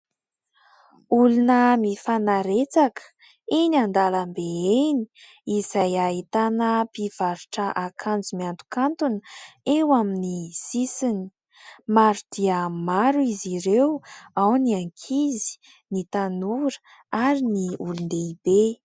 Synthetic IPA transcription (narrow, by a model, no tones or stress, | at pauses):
ulunəmifanaɾet͡sakə̥ | eniand̪alambeeni̥ | izajait̪anəpiv̥aɾuʈ͡ʂəʔakʰand͡zumiant̪u̥kant̪unewaminisisini̥ | maɾud̪̥iəmaɾuiziɾewawniaŋkʰizi̥ | nit̪anuɾə | aɾiniulund̪eibe